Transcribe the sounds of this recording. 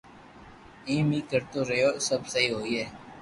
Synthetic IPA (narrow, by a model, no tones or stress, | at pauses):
ĩːmiːkəɾt̪oːɾejoːsəbsəɦiːɦoːiːɦɛː